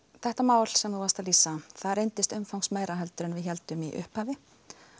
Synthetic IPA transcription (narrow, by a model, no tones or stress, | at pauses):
θɛht̪amaːwl̥sɛmθuvast̪aliːsaθaðrejnt̪ɪst̪ʏmfawŋsmeːjɾaɦɛlt̪ʏɾɪnvɪðçɛl̪t̪ʏmiʔʏ̰hphavɪ